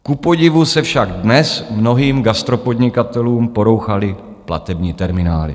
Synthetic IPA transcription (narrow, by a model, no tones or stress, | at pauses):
kupo̞ɟɪvusɛfʃaɡdnɛsmno̞ɦiːmɡast̪ɾo̞po̞dɲɪkat̪ɛluːmpo̞ɾo̞wxalɪ | pla̰t̪ɛbɲiːt̪ɛɾmɪna̰ːlɪ̰